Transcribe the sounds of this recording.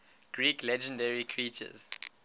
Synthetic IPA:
ɡ̥ɹiːklɛd͡ʒə̃ndɛɹikʰɹiːˑt͡ʃə̰z̥

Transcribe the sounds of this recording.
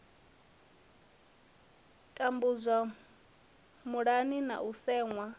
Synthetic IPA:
kʼambuzʷa | muɺanina̰ʔusɛːŋwa

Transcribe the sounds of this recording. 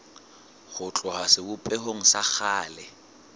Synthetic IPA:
χʊt͡ɬʼɔhasɪbʊpʼɛhoŋ̩sak͡xʰaːlɛ

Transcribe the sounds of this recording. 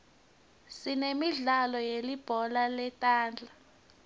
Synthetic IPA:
sinemiɮalɔjelib̥ʱɔlalɛtʼaːnd͡ɮʱa

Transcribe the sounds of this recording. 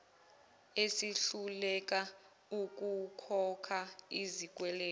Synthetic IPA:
esiɬulɛk̬ʼa | uk̬ʼukʰɔkʰaizik̬ʼwɛlɛː

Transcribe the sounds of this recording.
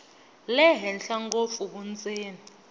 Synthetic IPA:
lɛɦɛnɬaŋɡofukunt͡sʼeːni

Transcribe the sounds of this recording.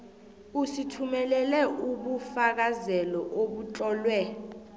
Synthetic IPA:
usitʰumɛlɛlɛʔuɓufak̬azɛlɔʔoɓut͡ɬʼɔːlwɛ

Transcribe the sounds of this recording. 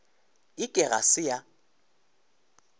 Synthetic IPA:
ɪkʼɪɣa̰sɪja

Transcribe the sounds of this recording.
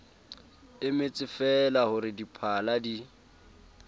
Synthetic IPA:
ɪmɪt͡sʼɪfɛlahʊɾɪdipʰaladi

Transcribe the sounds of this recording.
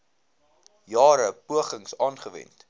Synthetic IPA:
jɑːɾəpuəχəŋsɑːnχəvɛ̰nt

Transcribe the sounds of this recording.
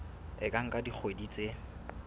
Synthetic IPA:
ɪkʼaŋ̩kʼadik͡xʰwedit͡sʼe

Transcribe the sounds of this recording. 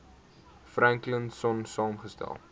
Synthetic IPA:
fɾæŋklənsɔnsɑːmχəstæ̰lˠ

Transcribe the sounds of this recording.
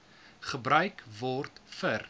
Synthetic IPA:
χəbɾœɥkvɔrtfər

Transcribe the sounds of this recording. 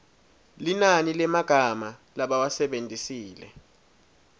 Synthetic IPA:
linanilɛmaɡ̥ʱamalaɓawasɛɓendʱisiːlɛ̰

